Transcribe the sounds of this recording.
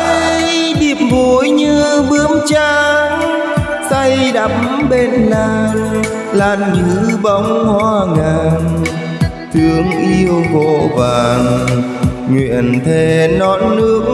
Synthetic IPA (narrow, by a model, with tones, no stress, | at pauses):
ɗi˨˩əp̚vu˨˦jɲɨ˧ɓɨ˨˦əŋt͡ɕaː˧˦ŋ | sa˧jɗa˨˦mɓe˧nːaː˧˩ŋ | laː˨˩nŋɨ˨˧˦ɓə˨˦wŋ͡mhwaː˧ŋaː˧˩n | t̪ʰɨ˨˦əŋʔi˧əwvo̰˧˨vaː˨˩ŋ | ŋwḭ˧˨ənt̪ʰe˧˩nɔ˨˦nːɨ˧˥ək̚